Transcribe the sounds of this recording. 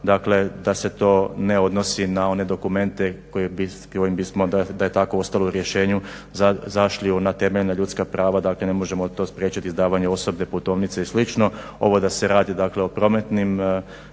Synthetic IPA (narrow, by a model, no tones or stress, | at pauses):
d̪akle̞d̪ase̞t̪o̞ːne̞o̞d̪no̞sinao̞ne̞d̪o̞kume̞nt̪e̞koebi | kojimbismo̞d̪ad̪aje̞t̪ako̞ost̪alˠouɾje̞ʃe̞ːɲu | zazaʃliunat̪e̞meʎnaʎut̪skapɾaːʋad̪akle̞ne̞moʒe̞mo̞t̪o̞ːspɾje̞ːt͡ɕit̪izd̪aːʋaɲeo̞so̞bneput̪o̞ːʋnit̪seislit͡ʃno̞ | o̞̰ʋo̞d̪ase̞ɾaːd̪id̪akle̞o̞pɾo̞me̞t̪nim